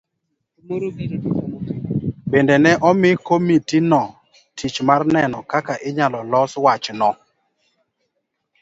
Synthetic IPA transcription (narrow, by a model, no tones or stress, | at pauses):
bendenɛʔɔmɪkomitinɔ | tit͡ʃmarnɛnɔkakaʔɪɲalɔlɔswat͡ʃnɔ